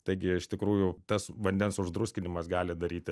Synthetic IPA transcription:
t̪ɐɪɡʲɪɪʃt̪ʲɪkɾuːjʊt̪ɐsʋɐnʲd̪ʲɛnsʊʒd̪ɾʊsʲkʲɪnʲɪmɐsɡɑːlʲɪd̪ɐɾʲiːt̪ʲɪ

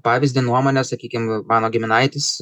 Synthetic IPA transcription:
pɑːʋʲɪzʲd̪ʲɪnuɔmoːnʲɛsɐkʲiːkʲɪmmɑːnoːɡʲɪmʲɪnɐɪt̪ʲɪs

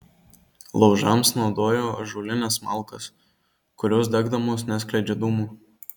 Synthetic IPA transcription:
lˠɒʊʒɐmsnɒʊd̪oːjoːɐʒulʲɪnʲɛsmɐˑlˠˑkɐs | kʊɾʲoːs̬d̪ʲɛɡd̪ɐmoːsnʲæsklʲɛɪd͡ʒʲɛd̪uːmuː

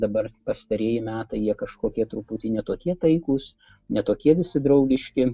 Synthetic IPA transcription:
d̪ɐbɐrpɐst̪ɐɾʲiɛjɪmʲæːt̪ɐɪjiɛkɐʃkoːkʲiɛt̪ɾʊput̪ʲɪnʲɛt̪oːkʲiɛt̪ɐɪkuːs | nʲɛt̪oːkʲiɛʋʲɪsʲɪd̪ɾɐʊɡʲɪʃʲkʲɪ

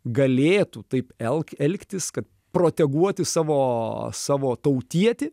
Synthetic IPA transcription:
ɡɐlʲeːt̪ut̪ɐɪpɛlˠkɛlʲkt̪ʲɪskɐt̪ | pɾoːt̪ʲɛɡuɔt̪ʲɪsɑːʋoːsɑːʋoːt̪ɐʊt̪ʲiɛt̪ʲɪ

